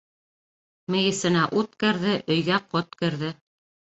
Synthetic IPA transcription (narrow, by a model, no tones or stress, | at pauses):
mɘ̆jɘ̆sɘ̆næʔut̪kɘ̆ɾðɘʔɵ̆jɡæqot̪̚kɘ̆ɾðɘ